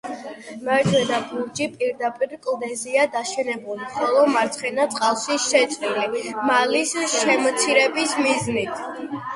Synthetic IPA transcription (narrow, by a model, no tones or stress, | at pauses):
mɛɾt̪ʰwɛd̪abuɾd͡ʒipʼiɾd̪apʼiɾkʼlˠd̪ɛziad̪aʃɛnɛbulˠimχɔlˠɔmaɾt̪sʰχɛnat̪sʼqʼalˠsisʃɛt̪sʼɾilimalisʃɛmɔt̪sʰiɾɛbismiznit̪ʰ